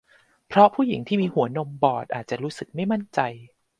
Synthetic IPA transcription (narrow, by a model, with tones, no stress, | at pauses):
pʰɾɔ˦˥pʰuː˥˩ji˩˦ŋt̪ʰiː˥˩miː˧hu˩˦ɐno˧mbɔː˨˩t̪̚ʔaː˨˩t̪̚t͡ɕa˨˩ɾuː˦˥sɯ˨˩k̚ma˥˩jma˥˩nt͡ɕa˧j